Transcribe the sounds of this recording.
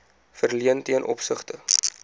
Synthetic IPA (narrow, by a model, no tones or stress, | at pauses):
fərliəntiənʔɔ̰psəχtə